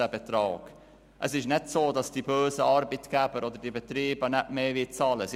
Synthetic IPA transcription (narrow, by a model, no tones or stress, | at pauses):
əbet̪ɾɑːɡ̥ | ʔəsɪʃnɛtsoːdɑsd̥ibøːsəɑːɾbitɡ̥æbəɾɔdəɾd̥ibɛt̪ɾiːbənɛʔmeːvɪt͡sɑːləs